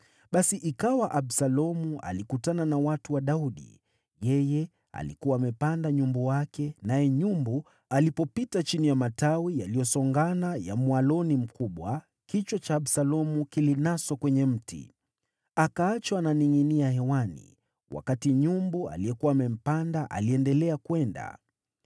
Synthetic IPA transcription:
ɓasiʔikawaʔaɓsalɔmuʔa̰likutananawatuwaɗauɗḭ | jɛjɛ | a̰lḭkuwaːmɛpandaɲumbɔwakɛnajɛɲumbu | alipɔpitat͡ʃinijamatawijalijɔsɔŋɡanaja̰mwalɔnim̩kuɓwa | kit͡ʃwɔt͡ʃaːɓsalɔmukilinasɔkwɛɲɛm̩tḭ | akaat͡ʃwananiŋiniahɛwanḭ | wʔa̰katiɲumbua̰lijɛkuwaːmɛm̩pandaʔa̰liɛndɛlɛakwɛnda̰

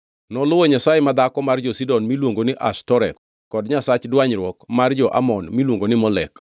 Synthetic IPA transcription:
nɔlʊwoɲasajemad̪akɔmard͡ʒɔsidɔnmilwoŋɡonɪʔastɔɾɛt̪̚ | kɔdɲasat͡ʃdwaɲɾwɔkmard͡ʒɔʔa̰mɔnmilwoŋɡonɪmɔlɛk

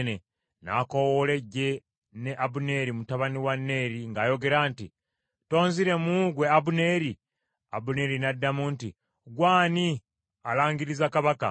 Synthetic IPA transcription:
ne | na̰ko̞wole̞ɟːe̞ | ne̞ʔaβune̞ɾimutaβaniwanːe̞ɾiŋɡaːjo̞ɡe̞ɾaːnti | to̞ːnziɾe̞muɡwe̞aβune̞ːɾi | a̰βune̞ɾinadːamunti | ɡwaːni | alaːŋɡiɾizakaβaka̰

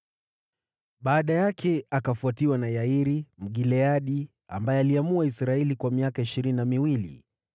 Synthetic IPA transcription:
ɓaːɗajakʰɛakafuatiwanajaiɾim̩ɠilɛaɗi | a̰mbajɛaliamuaisɾaɛlikwamiakaiʃiɾininamiwilḭ

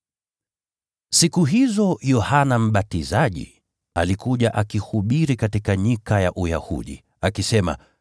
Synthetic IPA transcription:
sikuɦizɔjɔhanam̩ɓatizaʄḭ | a̰likuʄaʔakihuɓiɾikatikaɲikajaʔuja̰hṵɗḭ | akisɛma̰

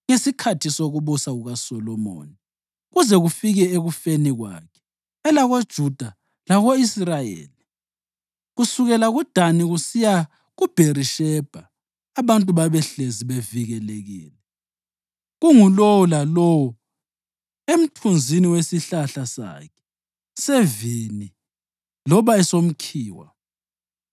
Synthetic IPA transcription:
ŋesikʰatʰisoɣuβusaɣuɣasɔlɔmo̰ːni | ɣuzɛɣufiɣɛeɣufeniɣwa̰ːkʰɛ̥ː | laɣod̥ʒ̥ʱud̥ʱa | laɣoisrajḛːli | ɣusuɣɛlaɣud̥ʱaniɣusija | ɣub̥ʱeriʃɛb̥ʱaː | βantʼuβaβɛɬeziβeviɣɛleɣḭːlɛ | ɣuŋulowɔlalowɔ | em̩tʰund͡zʱiniwesiɬaɬasa̰kʰɛ̥ | sevini | lɔβaɛsom̩kʰiːwa̰

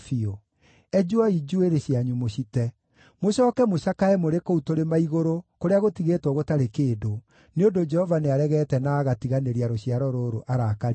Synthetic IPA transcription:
fio | ɛd͡ʒwaid͡ʒueɾeɕiaɲumoɕitɛ | moɕɔːkɛmoɕakaɛmoɾekoutoɾemaiɣoɾokoɾeaɣotiɣetwɔɣotaɾekeːdo | neondod͡ʒɛhɔvaneaɾɛɣɛtɛnaːɣatiɣaneɾiaɾoɕiaɾɔɾoɾoʔaɾakaɾ

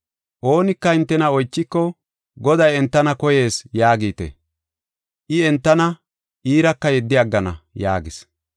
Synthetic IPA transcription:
ʔo̞ːnɪkːɐɪnt̪ːɛnɐɔjt͡ʃːɪkːɔ | ɡɔd̪ɐjɛnt̪ːɐnɐkɔje̞ːsjaːɡiːt̪ḛ | ʔɪɛnt̪ːɐnɐ | ʔiːɾɐkːɐjɛd̪ːɪɐɡːɐnɐ̰ja̰ːɡɪs

